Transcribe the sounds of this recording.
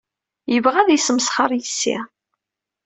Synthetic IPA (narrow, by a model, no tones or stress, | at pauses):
jəvʁæðjəsəmsχəɾˤjəsːḭ